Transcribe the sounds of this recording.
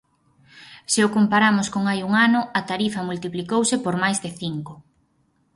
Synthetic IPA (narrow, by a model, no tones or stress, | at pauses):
seʊkompaɾamʊskoŋajuŋanʊɐt̪aɾifɐmult̪iplikowsɪpoɾmajzðɪθiŋkʊ